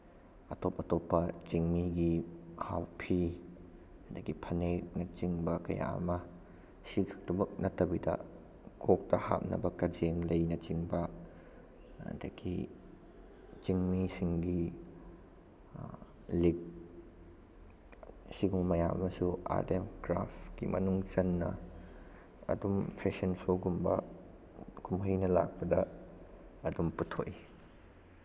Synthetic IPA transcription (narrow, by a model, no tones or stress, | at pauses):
ɐtɔp̚ɐtɔpːɐt͡ʃiŋmiɡihawpʰi | dɐkipʰɐnek̚nɐt͡ʃiŋbɐkɐja̰mɐ | sikak̚tubɐk̚nɐtɐbidɐ̰ | kɔk̚tɐha̰p̚nɐ̰bɐkɐd͡ʒeŋlejnɐt͡ʃiŋbɐ | dakḭ | t͡ʃiŋmisiŋɡi | lik̚ | siɡummɐjamɐsua̰ɾtemkɾa̰pkḭmɐ̰nuŋt͡ʃɐnːɐ̰ | ɐ̰dumpʰesɐnsoɡumbɐ | kʰumhɐjnɐla̰k̚pɐdɐ | ɐdumputʰoʔi